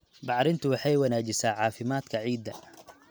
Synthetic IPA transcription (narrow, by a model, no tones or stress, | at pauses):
bɑʕɾɪnt̪ʰʊwɑħɑjwɑnaːt͡ʃɪsaːʕɑːfɪmaːd̪kʰɐʕiːd̪ːɐ̰